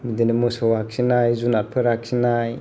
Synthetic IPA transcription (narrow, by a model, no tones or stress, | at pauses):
midenimusɔwaksinajzunaɾpʰɯɾaksinaj